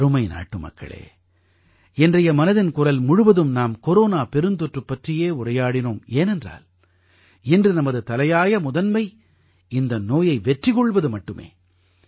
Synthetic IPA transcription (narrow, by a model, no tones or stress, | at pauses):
ɐɾɯmɐɪna̰ːʈːɯmɐ̰kːɐ̰ɭḛː | ɛndrɐjɐmɐnɐðɪnkʊrɐlmʊɻʊʋɐðɯmnaːmkɔɾoːnaːpɛɾɯnd̪ɔʈrɯpːɐʈrɪjeːʊrɐjaːɽɪnoːmeːnɛndra̰ːl | ɛndrɯnɐmɐðɯt̪ɐlɐjaːjɐmʊðɐnmɐɪ | ɪnd̪ɐnoːjɐɪʋɛʈrɪɣɔɭʋɐðɯmɐʈːɯmḛː